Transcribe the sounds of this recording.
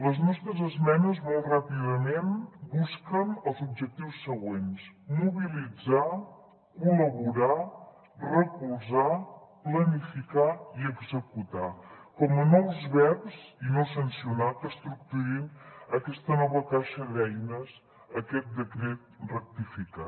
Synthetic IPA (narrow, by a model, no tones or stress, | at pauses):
ləznɔst̪ɾəzəzmɛnəzmɔlˠtrapiðəmenbuskənəlˠzub̚d͡ʒək̚t̪iwsːəɣwensmuβilid͡za | kuləβuɾa | rəkulˠzaplənifikaiəɡzəkut̪akɔmənɔwzβɛpzinosənsiunat̪əst̪ɾuk̚t̪uɾinəkɛst̪ənɔβəkaʃəðɛjnəz | əkɛt̪̚d̪əkɾɛt̪̚rək̚t̪ifika̰